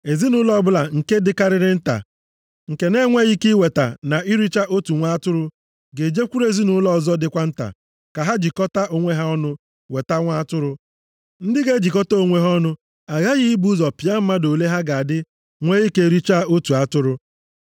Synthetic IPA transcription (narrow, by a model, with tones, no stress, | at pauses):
e˨zi˦nʊ˦lɔ˦bʊ˦la˨ŋ̩˨ke˦dɪ˦ka˦ɾɪ˦ɾɪ˦n̩˦ta̰˨ | ŋ̩˨ke˨ne˦ŋʷe˦ɣi˦ki˦we˨ta̰˨na˨i˦ɾi˦t͡ʃa˦ʔo˦tu˨ŋʷa˦tʊ˦ɾʊ˦ | ɡe˨d͡ʒe˦kʷu˦ɾe˨zi˦nʊ˦lɔ˦˨zɔ˦dɪ˨kʷa˦n̩˦ta̰˨ | ka˨ɦa˦d͡ʒi˨kɔ˦ta˦ʔo˨ŋʷe˦ɦa˦ɔ˦nʊ˦ | we˨ta˦ŋʷa˦tʊ˦ɾʊ˦ | n̩˦dɪ˦ɡe˦d͡ʒi˨kɔ˦ta˦o˨ŋʷe˦ɦɔ˦nʊ˦ | a˨ɣa˦ɣɪ˦i˦bu˦zɔ˨pi˨a˦m̩˦ma˦do˨le˦ɦa˦ɡa˨a˨dɪ˦ | ŋʷe˦ɣi˦ke˦ɾi˦t͡ʃa˦o˦tu˨a˦tʊ˦ɾʊ˦